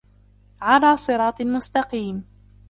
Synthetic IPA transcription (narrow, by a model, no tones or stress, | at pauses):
ʕalaːsˤɨɾˤɑːt̪ˤmʊst̪ɑqiːm